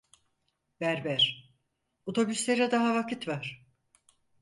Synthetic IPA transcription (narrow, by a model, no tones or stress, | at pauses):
bæɾbæɾ̥ | ot̪ʰo̞byslʲeɾɛd̪aɦavakʰɯt̪vaɾ̥